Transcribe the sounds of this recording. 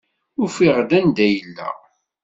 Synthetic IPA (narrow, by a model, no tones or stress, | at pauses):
ʊɾfiʁd̪ænd̪æjəlːæ̰